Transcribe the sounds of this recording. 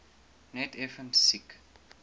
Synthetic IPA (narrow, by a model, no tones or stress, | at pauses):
nɛtɛfə̃nsik